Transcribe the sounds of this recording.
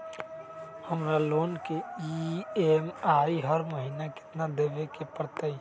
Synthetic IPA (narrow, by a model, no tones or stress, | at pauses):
həmɾaloːnkeiemaːiɦəɾməɦinakɪ̥t̪nad̪ebekepəɾt̪əi